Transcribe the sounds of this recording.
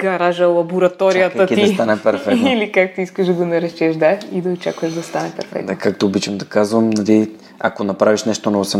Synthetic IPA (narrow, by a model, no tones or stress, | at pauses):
ɡ̥ɐɾaʒɐlˠɐboɾɐt̪ɔɾijək̪ɐt̪iiɐst̪anɛpɛɾfɛknilikak̚t̪iiskəʒd̪ɐɡɐnɐɾɛʃt͡ʃɛʒd̪aid̪ɐot͡ʃa̰kvɐʃd̪ɐst̪anɛpɛ̰ɾfɛ̰k̪d̪akak̚t̪oobit͡ʃvɐmd̪ɐkazvɐmnɐli | akonɐpɾaviʃnɛʃt̪onɔvosɛ